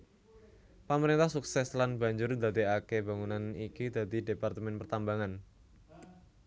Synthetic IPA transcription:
paməɾint̪ahsuksɛslanba̤ɲd͡ʒʊrnd̪ad̪iakeba̤ŋunanikid̪a̤d̪i̤depart̪əmɛnpərt̪ambaŋan

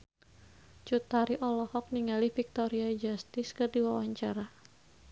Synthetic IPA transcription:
t͡ʃut̪aɾiʔɔlɔhɔk̚niŋalihfik̚t̪ɔɾiad͡ʒast̪ɪskɨrdiwawaɲt͡ʃaɾa

